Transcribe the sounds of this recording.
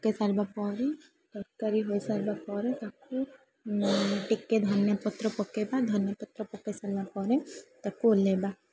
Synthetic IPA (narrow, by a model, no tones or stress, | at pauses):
pɔkesalbapɔɾe | ʈɔɾkaɾiɦojsaɾbapɔɾet̪aku | ʈiked̪ʱɔnjɔpɔt̪ɾɔpɔkebad̪ʱɔnjɔpɔt̪ɾɔpɔkesalbapɔɾɛt̪akuoleba